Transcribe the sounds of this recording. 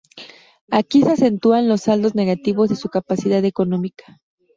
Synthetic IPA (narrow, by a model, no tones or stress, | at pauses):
akisease̞nt̪uanlo̞sald̪o̞zne̞ɣat̪iβo̞zðe̞sukapasiðaðe̞ko̞nõ̞mikḁ